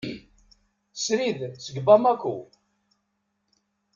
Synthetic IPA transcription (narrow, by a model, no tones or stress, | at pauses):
sɾiðt͡səɡbamækʷːu